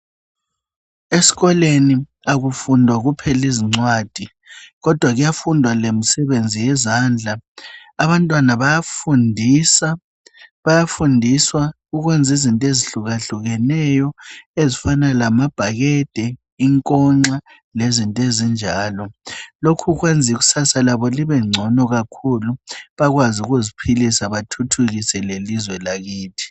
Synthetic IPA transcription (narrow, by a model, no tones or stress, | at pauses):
esi̥ɣɔleni | aɣufundʱwaɣupʰɛliziŋ͡ǀwaːd̥ʱi | ɣɔd̥ʱwaɣujafundʱwalem̩sɛβend͡zʱijɛzand͡ɮʱaː | βantʼwanaβajafundʱisa | βajafundʱiswaɣuɣwɛnd͡zʱizintʼeziɬuɣaɬuɣɛnɛjɔezifanalamab̥ʱaɣɛd̥ʱɛ | iŋkʼɔŋ͡ǀa | lezintʼezind͡ʒʱaːlɔlokʰuɣwend͡zʱiɣu̥sasalaβɔliβɛŋ͡ǀʱɔnɔɣakʰuluβaɣwazuɣuzipʰilisaβatʰutʰuɣisɛlelizwɛlaɣiːtʰi̥